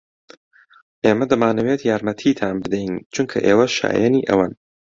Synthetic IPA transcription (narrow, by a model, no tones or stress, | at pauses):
ʔeːmɐd̪ɐmaːnɐweːt̪jaːɾmɐt̪ʰiːt̪ʰaːnbɨd̪ɛjnt͡ʃʰuŋkʰɐ̰ʔeːwɐʃa̰ːjɛniːʔɐ̰wan